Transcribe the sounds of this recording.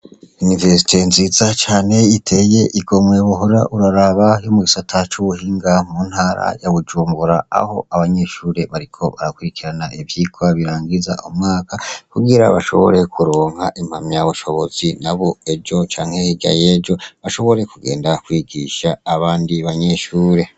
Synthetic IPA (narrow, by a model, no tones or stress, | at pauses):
unive̞si̥tʰe̞nziːzat͡ʃaːne̞itʰe̞je̞ʔiɡo̞mweβoɦoɾaʔuɾaɾaβajo̞muɡisatʰat͡ʃuβuhiːŋɡamuːn̥haːɾa̰jaβud͡ʒuːmbuɾaa̰ho̞̰aβaɲe̞ʃuːɾe̞βaɾikʰo̞βa̰ɾakwuɾikiɾanaivjiːkwaβiɾaːŋɡiza̰ʔomŋaːkakuɡiɾa̰βaʃo̞̰βo̞̰ɾe̞kʰuɾoːŋha̰ʔim̥hamjaβuʃo̞βo̞zinaβo̞ed͡ʒo̞t͡ʃaːŋ̥he̞hiɡa̰jeːd͡ʒo̞βaʃo̞βo̞ɾe̞kuɡe̞̰ːndakwiːɡiʃaːβaːndiβaɲe̞ʃuːɾe̞